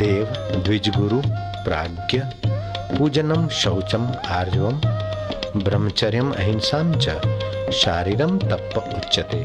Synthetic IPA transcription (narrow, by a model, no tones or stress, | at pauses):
d̪̥eːʋd̪ʋid͡ʒɡuɾu | pɾa̰ːɡjɐ | pud͡ʒɐnɐmʃɐwt͡ʃɐmaːɾd͡ʒʋɐm | bɾɐmːɐt͡ʃɐɾjɐmɐ̰ɦinsaːnt͡ʃɐ̰ʃaːɾiːɾɐmt̪ɐpːɐutːʃɐt̪eː